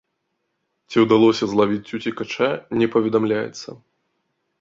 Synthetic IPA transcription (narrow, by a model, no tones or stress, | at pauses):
t͡sʲiwd̪alˠɔsʲɐzlˠavʲit͡sʲːut͡sʲikat͡ʂanʲɛpɐvʲɛd̪amlʲajɛ̰t̪sːɐ̰